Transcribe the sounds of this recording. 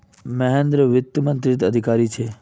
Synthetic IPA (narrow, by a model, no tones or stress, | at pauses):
məɦẽnd̪ɾəʋɪt̪ːəmənt̪ɾɪt̪əd̪ʱikaɾit͡ʃʰe